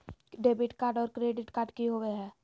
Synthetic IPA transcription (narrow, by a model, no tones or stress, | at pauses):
ɖeːbɪʈkaːɾɖɔːɾkɾeːɖɪʈkaːɾɖkiɦoweɦɛː